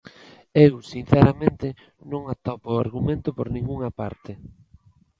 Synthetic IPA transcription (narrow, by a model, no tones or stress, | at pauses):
ewsin̟θɛɾamẽnt̪ɪ | nõŋat̪opoaɾɣumẽnt̪ʊpoɾnĩŋɡuŋapa̰ɾt̪ɪ